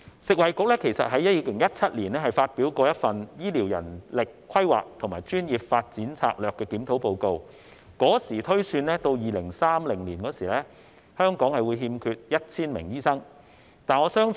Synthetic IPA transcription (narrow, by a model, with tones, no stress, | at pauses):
sɪ˨k̚wɐ˨jkʊ˨k̚lɛː˥kʰe˨˩jsɐ̰˨t̚ɦɐ˨˥jɐ˥t̚jiː˧kɪ˨˩ŋjɐ˥t̚t͡sʰɐ˥t̚liː˨˩nlɛː˥ɦɐ˨jfaː˧t̚piː˨˥wkɔː˧jɐ˥t̚fɐ˨njiː˥liː˨˩wjɐ̰˨˩nlɪ˨kʰːwɐ˥jwa̰ː˨˩k̚t̪ʰʊ˨˩ŋmaː˨˩jt͡ʃyː˥njiː˨p̚faː˧t̚t͡siː˨˥nt͡sʰa̰ː˧k̚lœː˨kːɛː˧kiː˨˥mt̪ʰo˨˥wpo˧wko˧w | kɔː˨˥siː˨˩t̪ʰɵ˥ɥsyː˧nlɛː˥t̪o˧wjiː˨lɪ˨˩ŋsaː˥mlɪ˨˩ŋliː˨˩nkɔː˨˥siː˨˩lɛː˥ | hœː˥ŋkɔː˨˥ŋhɐ˨jwu˨˧jɦiː˧mkʰyː˧t̚jɐ˥t̚t͡sʰiː˥nmɪ̰˨˩ŋjiː˥sɐ˥ŋ | t̪aː˨nɔː˨˧sœː˥ŋ